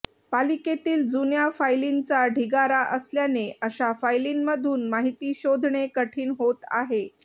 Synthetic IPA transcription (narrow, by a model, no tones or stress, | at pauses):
paliket̪iːld͡zunjafajlint͡saɖʱiɡaɾaʔəsljaneəɕafajlinməd̪ʱuːnmaɦit̪iːɕod̪ʱɳekəʈʰiːnɦot̪a̰ɦe